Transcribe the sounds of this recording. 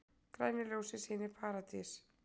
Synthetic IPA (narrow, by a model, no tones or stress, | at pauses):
kɾajnɪljoːwsɪsiːnɪpʰaːɾat̪is